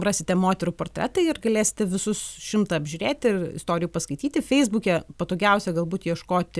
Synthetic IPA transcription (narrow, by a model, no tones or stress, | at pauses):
rɑːsʲɪt̪ʲɛmoːt̪ʲɛɾuːpoːrʲt̪ʲɾʲɛ̰t̪ɐɪɪrɡɐlʲeːsʲɪ̥t̪ʲɛʋʲɪsʊsʃʲɪmt̪ɑɐbʲʒʲʊɾʲeːt̪ʲɪrɪ̰st̪oːɾʲɪjuːpɐskɐɪt̪ʲiːt̪ʲɪfʲɛɪzbuːkʲɛpɐt̪oːɡʲɛʊsʲɛɡɐlˠbuːt̪jiɛʃkoːt̪ʲ